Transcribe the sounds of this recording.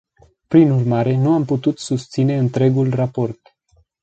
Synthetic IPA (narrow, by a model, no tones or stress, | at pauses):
pɾinurmaɾe̞nuamput̪ut̪sust̪sine̞ɨnt̪ɾe̞ɡulrapo̞rt̪